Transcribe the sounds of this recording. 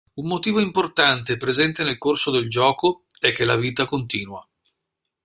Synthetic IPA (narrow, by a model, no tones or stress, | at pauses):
umːot̪iːvoimport̪ant̪epɾezɛnt̪enelkorsod̪eld͡ʒɔːkoɛkːelːaviːt̪akont̪iːnwa